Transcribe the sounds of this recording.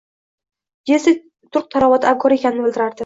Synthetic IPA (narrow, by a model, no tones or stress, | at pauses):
jesɪ | t̪ʰʊɾq̚t̪ʰaɾavɒt̪akʰːɒɾe̞kʲʰanɪnɪbɪlʲˠd̪ɪɾaɾd̪ɪ